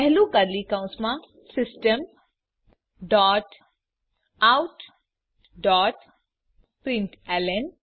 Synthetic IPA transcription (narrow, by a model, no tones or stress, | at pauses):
pɛɦluɡaɾlikãʊ̃smã | sɪsʈəm | ɖɔːʈ | awʈ | ɖɔːʈ | pɾɪ̃ɳʈɛlen